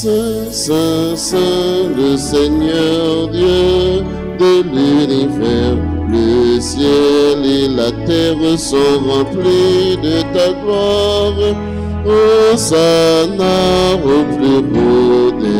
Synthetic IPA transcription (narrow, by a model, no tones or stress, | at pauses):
sɛ̃ | sɛ̃sɛ̃ləsɛɲœʁd̪jø | d̪əlynivɛʁ | ləsjɛlelat̪ɛʁəsɔ̃ʁɑ̃plid̪ət̪aɡlaʁ | osanaʁəpliponɛ